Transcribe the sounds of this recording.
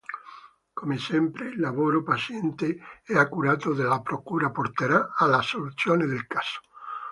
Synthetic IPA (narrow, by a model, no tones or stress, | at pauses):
komesempɾelːaβoɾopaθjent̪eeakuɾat̪oðelapɾokuɾapoɾt̪eɾaalasːoluθjoneðelkḁso̥